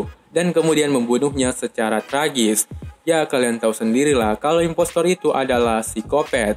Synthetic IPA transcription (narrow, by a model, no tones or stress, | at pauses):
dankəmudianməmbunuhɲasət͡ʃaɾat̪ɾaɡɪsjakaliant̪ausəndiɾilahkaloimpɔst̪ɔɾit̪uʔadalahsikopɛt̪̚